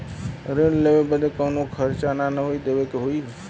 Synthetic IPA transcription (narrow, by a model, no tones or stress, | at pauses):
ɾeɽlebebəd̪ekəwnokʰəɾt͡ʃananəɦoid̪ebekeɦoi